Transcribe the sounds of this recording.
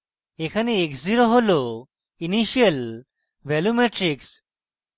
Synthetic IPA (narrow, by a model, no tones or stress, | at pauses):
ekʰaneekziɾoɦolo | iniʃiəl | ʋɛlumeʈɾiks